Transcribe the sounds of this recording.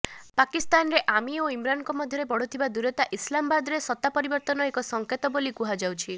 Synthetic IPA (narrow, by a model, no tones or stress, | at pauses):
pakist̪anɾeʔamioimɾankɔmɔd̪ʱjɔɾebɔɽ̤ɔt̪ʰibad̪uɾɔt̪aʔislambad̪ɾesɔt̪ːapɔɾibɔɾt̪ɔnɔekɔsɔŋket̪ɔbolikuɦad͡ʒawt͡ʃʰi